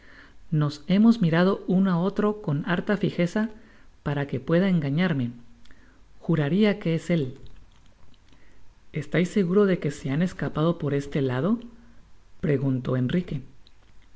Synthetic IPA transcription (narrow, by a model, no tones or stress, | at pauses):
no̞se̞mo̞zmiɾað̞o̞unao̞t̪ɾo̞ko̞naɾt̪afixe̞sapaɾake̞pwe̞ð̞ae̞ŋɡaɲaɾme̞ | xuɾaɾiake̞ese̞l | e̞st̪ajsːe̞ɣuɾo̞ðe̞ke̞se̞ane̞skapað̞o̞po̞ɾe̞st̪e̞lað̞o̞ | pɾe̞ɣunt̪o̞e̞nrike̞